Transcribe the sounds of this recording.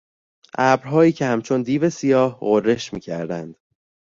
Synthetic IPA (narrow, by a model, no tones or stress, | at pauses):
ʔæbɾɦɒːjiːcʰehæmt͡ʃʰo̞nd̪iːve̞sijɒːhɣorːe̞ʃmḭːcʰæɾd̪ænd̪̥